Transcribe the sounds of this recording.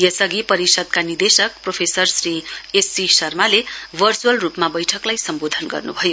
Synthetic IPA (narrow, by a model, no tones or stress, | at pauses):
jʌsʌɡipʌɾisʌd̪̚kanid̪esʌk̚propʰesʌrsriesisʌrmalebʱʌrt͡suʌlrupmabʌjʈʰʌklajsʌmbod̪ʱʌnɡʌ̰rnubʱʌjo